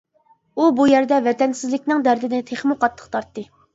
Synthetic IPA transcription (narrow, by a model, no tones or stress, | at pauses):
ubujæɾd̪ɛvɛt̪ɛnsɪzlɪk̚ʲnɪŋd̪æɾd̪ɪd̪ɪt̪ʰeχmʊqɑt̪ʰːˠə̥qt̪ʰɑɾt̪ːɨ